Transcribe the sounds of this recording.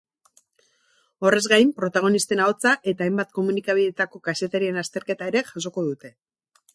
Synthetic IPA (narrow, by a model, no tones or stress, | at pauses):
o̞re̞zɣajmpɾo̞t̪aɣ̞o̞nist̪e̞naot͡saʔe̞t̪aːjmbat̪̚ko̞munikaβ̞iðe̞t̪ako̞kase̞t̪aɾie̞nast̪e̞ɾke̞t̪aeɾe̞ʝas̬o̞ko̞ðut̪e̞